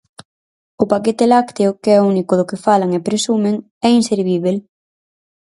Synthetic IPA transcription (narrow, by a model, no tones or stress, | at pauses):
ʊpaket̪elakt̪eʊkeɛunikʊðʊkɪfalaŋepɾesumɪŋ | ɛinseɾβiβ̞el